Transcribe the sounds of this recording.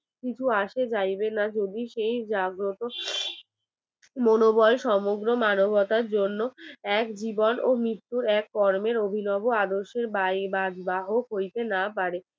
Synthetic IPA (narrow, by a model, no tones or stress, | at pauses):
kit͡ɕʰuaʃed͡ʑajbenad͡ʑod̪iʃejd͡ʑaɡɾot̪o | monobɔlʃɔmoɡɾomanobʱɔt̪aɾd͡ʑonːoɛkd͡ʑibonomɾit̪ːuɾɛkːɔɾmeɾobʱinɔboad̪oʃeɾbajbad͡ʑbaɦokɦojt̪enapaɾe